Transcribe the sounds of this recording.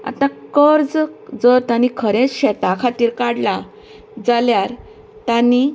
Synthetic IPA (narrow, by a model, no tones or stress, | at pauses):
a̰t̪ãkəɾd͡zd͡zəɾt̪anikʰəɾẽt͡sɕɛt̪akʰat̪iːɾkaɽla | d͡zaljaɾ | t̪ãni